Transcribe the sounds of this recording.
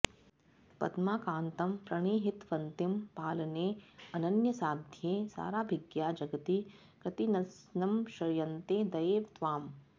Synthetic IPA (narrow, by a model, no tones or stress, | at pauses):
pɐ̰t̪maːkãːnt̪ɐmpɾɐɳ̃iːɦɪt̪ʋɐnt̪impaːlɐneːɐnɐnjɐsaːd̪ʱjeːsa̰ːɾaːbʱɪɡjaːd͡ʒɐɡɐt̪i | kɐt̪inɐsnɐmʃɐɾjɐnt̪eːd̪ɐjeːʋt̪ʋaːm